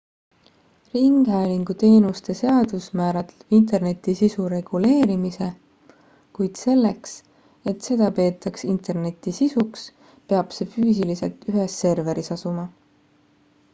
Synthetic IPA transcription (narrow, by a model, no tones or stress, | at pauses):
riŋɡ̥ɦæːliŋɡ̥ut̪e̞ːnust̪e̞se̞ɑd̪̥usmæːɾɑt̪int̪̬e̞rne̞t̪ːˑisisuɾe̞ɡ̥ule̞ːɾimise̞ | kujd̪̥se̞lːe̞ks | e̞t̪se̞d̪̥ɑpe̞ːt̪ːˑɑksint̪ˑerne̞t̪ːˑisisuks | pe̞ɑb̥se̞fyːs̬ilise̞lt̪yɦesːe̞rve̞ɾisɑsumɑ